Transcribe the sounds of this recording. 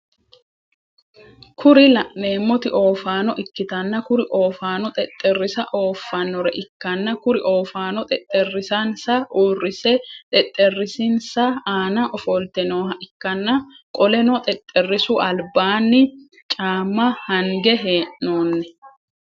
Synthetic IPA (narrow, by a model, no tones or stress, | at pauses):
kʰʊɾɪlɐʔne̞ːmːɔt̪ɪʔo̞ːfaːnɔʔɪkːɪt̪ɐnːɐkʊɾɪʔo̞ːfaːnɔt̪ʼɛt̪ʼːɛrːɪsɐʔo̞ːfːɐnːɔɾɛʔɪkːɐnːɐkʊɾɪʔo̞ːfaːnɔt̪ʼɛt̪ʼːɛrːɪsɐnsɐʔuːrːɪsɛt̪ʼɛt̪ʼːɛrːɪsinsɐaːnɐʔɔfɔlt̪ɛnoːhɐʔɪkːɐnːɐ | kʼɔlɛnɔt̪ʼɛt̪ʼːɛrːɪsuʔɐlbaːnːɪ | t͡ʃʼaːmːɐhɐŋɡɛɦeːʔnoːnːɛ